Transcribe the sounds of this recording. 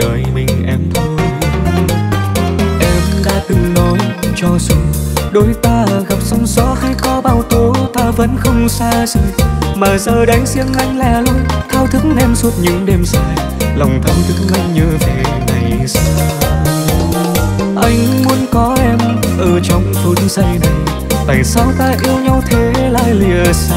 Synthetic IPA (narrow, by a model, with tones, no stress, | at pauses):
ɗəː˨˩jmï˨˩ŋ̟ʔɛ˧mt̪ʰo˨˦ | ʔɛ˧mv̰ɗa̰ː˧˥t̪ɨ˨˩ŋlo˨˦jt͡ɕɔ˧su˨˧˦ɗo˨˦jt̪aː˧˨˩ɣa˨˩p̚sɔ˧wŋ͡msɔ˨˦˥xi˧kɔ˨˦ɓaː˧˩wt̪o˨˦t̪aː˧və̰˧˥nxə˧wŋ͡msaː˧sɨ˧˩maː˨˩zəː˧˩ɗaː˨˦ŋsi˧əŋla˧jŋ̟laː˨˩lu˧k̪ʰaː˧˩wt̪ʰɨ˨˦˥kʔɛ˧mswə˦˥t̚ɲɨ̰˧˥ŋɗe˧msaː˧j | lə˨˩wŋ͡mt̪ʰə˧˩nt̪ʰɨ˨˦˥ŋ̚la̰˧˩jŋ̟ɲəː˧ve˨˩na˨˩jsaː˧ | ʔa˧jŋ̟mu˨˦ənkɔ˨˦ʔɛ˧m | ʔəː˧˩t͡ɕɔ˧wŋ͡mzu˨˦nsa˧jnə˨˩j | t̪aː˨˩jsa˧wt̪aː˧ʔi˧əwɲa˧wt̪ʰe˨˦la̰ː˧˨jli˨˩əs